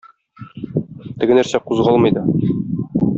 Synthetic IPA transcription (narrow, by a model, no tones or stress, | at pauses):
t̪ɘ̆ɡɘ̆næɾsæquzʁɑlˠmɤ̆jd̪ɤ